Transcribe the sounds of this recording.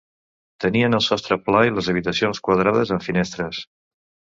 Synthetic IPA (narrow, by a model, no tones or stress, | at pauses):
t̪əniənəlˠsɔst̪ɾəplailəzəβ̞it̪əsionskwəð̞ɾaðəzəɱfinest̪ɾəs